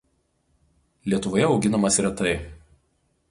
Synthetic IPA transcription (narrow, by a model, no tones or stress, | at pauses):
lʲiɛt̪ʊʋoːjɛɒʊɡʲɪnɐmɐsɾʲɛt̪ɐɪ